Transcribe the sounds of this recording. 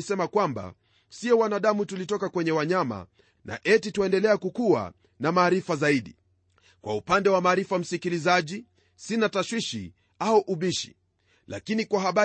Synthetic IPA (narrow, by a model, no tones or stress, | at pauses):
sɛmakwamba̰ | siɔwanaɗamutulitɔkakwɛɲɛwaɲama̰ | nʔa̰ʔɛtitwɛndɛlɛakukua̰ | namaːɾifazaiɗi | kwa̰upandɛwamaːɾifam̩sikilizaʄi | sinataʃwiʃḭ | auʔuɓiʃi̥̰ | la̰kinikwaɦaɓa